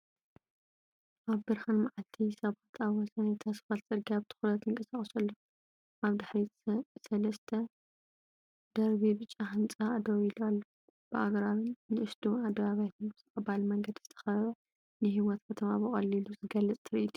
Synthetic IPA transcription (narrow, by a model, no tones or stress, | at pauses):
ʔaβbɨɾhanmaʕalt̪ʰisɐβat̪ʰaβwɔsɐnat̪ʰasfalt͡sʼɨɾɡiaβt̪ʰɨ̥xulɐt̪ɨŋkʼɐsaχʼɐsɐlːo | ʔaβd̪aħɾisɐlɐst̪ʰɐ | d̪̥ɐɾβibɨt͡ʃʼːaɦɨnt͡sʼaːd̪oβilualːo | b̥ɨʔaɡɾaɾɨnnːɨʔɨsd̪uad̪ɐβaβjat̪ʰɨnbɨt̪ɐxʼɐbalmɐŋɡɐd̪izɨ̥t̪ʰɐ̥xɐβɐ | nɨɦiwɔt̪kʰɐt̪ʰɐmabɨχʼɐlːiluzɨɡɐlɐt͡sʼt̪ʰɨɾɨʔit̪ʰu̥